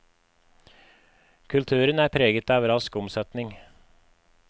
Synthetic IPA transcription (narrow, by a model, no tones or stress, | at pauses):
kʰʉlt̪ʰʉːɾənæːɾpʰɾeːɡət̪ɑːʋəɾɑskʊmsœt̪nɪŋ